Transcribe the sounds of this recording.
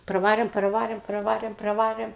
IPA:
prɐˈʋɑːrʲeːm prɐˈʋɑːrʲeːm prɐˈʋɑːrʲeːm prɐˈʋɑːrʲeːm

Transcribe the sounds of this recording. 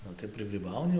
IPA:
ˈnʊ tɐɪ prɨɡrʲiːˈbɐʊnʲɪ

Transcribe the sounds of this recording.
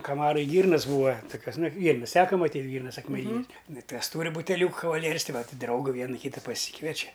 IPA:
kɐˈmɑːrɐj ˈɡʲiːrnɐs ˈbuːɐ toːˈkʲuɔs ˈnɐɪ ˈɡʲiːrnɐs ˈtʲæːkɐ mɐˈtʲiːtʲ ˈɡʲiːrnɐs ɐkmʲɛˈnʲiːnʲɛs nʊ ˈtɐs ˈtuːrʲɪ bʊtʲɛˈlʲuːkɐ kɐʋɐˈlʲiɛrʲɪs ˈtɐɪ ˈʋɐtʲ ˈdrɐʊɡɐ ˈʋʲiɛnɐ ˈkʲiːtɐ pɐˈsʲiːkʋʲiɛt͡ʃʲɛ

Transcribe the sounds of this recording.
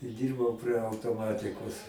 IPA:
ɪ ˈdʲiːrbɐʊ pʲrʲiɛ ɐʊtoːˈmɑːtʲɪkoːs

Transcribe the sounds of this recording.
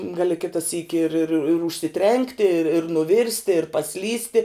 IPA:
ˈɡɑːlʲɪ ˈkʲɪtɐ sʲiːkʲɪ ɪr ɪr ɪr ɪr ʊʃʲsʲɪˈtʲrʲɛŋktʲɪ ɪr ɪr nʊˈʋʲɪrʲsʲtʲɪ ɪr pɐˈsʲlʲiːsʲtʲɪ

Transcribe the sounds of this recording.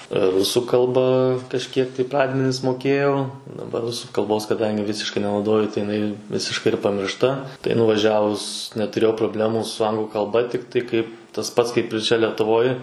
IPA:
ˈrʊsuː kɐlˠˈbɐ kɐʃʲˈkʲiɛk tɐɪ ˈprɑːdʲmʲɛnʲɪs moːˈkʲeːjɛʊ dɐˈbɐr ˈrʊsuː kɐlˠˈboːs kɐˈdɐŋʲɡʲɪ ˈʋʲɪsʲɪʃkɐɪ nʲɛnɐʊˈdoːjʊ tɐɪ jɪˈnɐɪ ˈʋʲɪsʲɪʃkɐɪ ɪr pɐmʲɪrʃˈtɐ tɐɪ nʊʋɐˈʒʲæːʋʊs nʲɛtʊˈrʲeːjɛʊ proːˈbʲlʲæːmuː sʊ ˈɐŋɡlˠʊ kɐlˠˈbɐ ˈtʲɪktɐɪ kɐɪp tɐs ˈpɐts kɐɪp ɪr ˈt͡ʃʲɛ lʲɛtʊˈʋoːj

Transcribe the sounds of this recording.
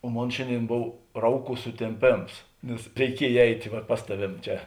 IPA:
oː ˈmoːn ˈʃʲeːnʲˌdʲeːɪn ˈboːw ˈrɐʊˌkuː sʊtʲeːmʲˈpʲeːms nʲɛs rʲɛɪˈkʲiɛj ˈɛɪtʲeː ˈʋɐ ˈpɐs tɐˌʋʲeːm ˈt͡ʃʲɛ

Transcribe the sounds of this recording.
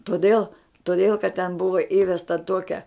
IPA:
toːˈdʲeːlˠ toːˈdʲeːlˠ kɐt tʲɛn ˈbʊʋɐ ˈiːʋʲɛstɐ ˈtuɔkʲɛ

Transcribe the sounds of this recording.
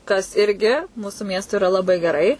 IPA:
kɐs ˈɪrʲɡʲɪ ˈmuːsʊ ˈmʲiɛstʊɪ ɪˈrɐ lˠɐˈbɐɪ ɡʲɛˈrɐɪ

